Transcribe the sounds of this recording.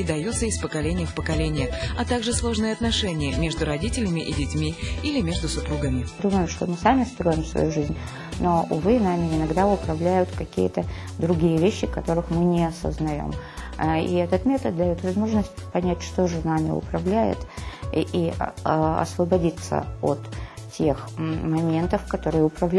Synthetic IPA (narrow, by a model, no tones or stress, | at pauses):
ɪd̪ɐjut̪səɪspəkɐlʲenʲɪjəfpəkɐlʲenʲɪjəɐt̪aɡʐɨslˠo̞ʐnɨjəɐt̪nɐʂɛnʲɪjəmʲe̞ʐd̪ʊɾɐdʲitʲɪlʲɪmʲɪʔidʲɪtʲmʲiilʲɪmʲeʐd̪ʊsʊpɾuɡəmʲɪd̪uməjʊmʂt̪o̞̰mɨsamʲɪst̪ɾo̞jɪmsvɐ̰juʐɨzʲnʲ | no̞ʊ̰vɨnamʲɪɪnɐɡd̪aʊpɾɐvlʲæjʊt̪kɐkʲḭjət̪əd̪ɾʊɡʲijəvʲeɕːɪkɐt̪o̞ɾɨxmɨnʲɪɐsə̰znɐjo̰m | ḭɛt̪ət̪mʲe̞t̪ət̪̚d̪ɐjo̞t̪vɐzmo̞ʐnəsʲt̚ʲpɐnʲætʲʂt̪o̞ʐɨnamʲɪ̰ʊ̰pɾɐvlʲæjɪ̰t̪ʔi | ɐ̰svəbɐdʲit̪sə̰o̰t̪tʲːe̞xmɐmʲe̞nt̪əfkɐt̪o̞ɾɨjəʊpɾɐvlʲ